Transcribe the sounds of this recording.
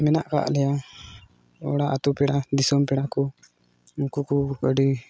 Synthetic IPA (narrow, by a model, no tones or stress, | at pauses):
mɛna̰ʔka̰ʔlɛja | ɔ̰ɽaʔat̪upɛɽad̪isɔmpɛɽakɔ | ukukuəɖi